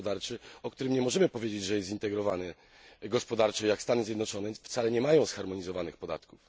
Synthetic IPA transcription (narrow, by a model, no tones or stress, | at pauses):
d̪aɾt͡ʂɘɔkt̪uɾɘmɲɛmɔʐɛmɘpɔvjed͡ʑed͡ʑʐɛjɛst̪ʲint̪ɛɡɾɔvanɛ | ɡɔspɔd̪aɾt͡ʂɛjakst̪anɘzʲjɛd̪nɔt͡ʂɔnɛft̪salɛɲɛmajɔ̃w̃sxaɾmɔɲizɔvanɘxpɔd̪a̰t̪kuf